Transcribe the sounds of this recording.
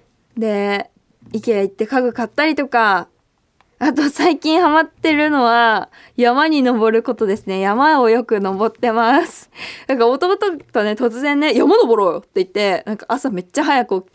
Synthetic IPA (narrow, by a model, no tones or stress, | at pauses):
d̪e̞ | ikʲeait̪ːe̞kaɡɯ̟kat̪ːaɾʲit̪o̞ka | at̪o̞saikʲĩɰ̃hamat̪ːe̞ɾɯ̟no̞βa | jamaɲ̟ino̞bo̞ɾɯ̟ko̞t̪o̞d̪e̞sɨne̞jamao̞jo̞kɯ̟no̞bo̞t̪ːe̞masɨ̥nãŋkao̞t̪o̞ːt̪ot̪one̞t̪o̞t͡sɨzẽ̞nːe̞jamano̞bo̞ɾo̞ːjot̪ːe̞it̪ːe̞nãŋkaʔasame̞t͡ɕːaɦajakɯ̟o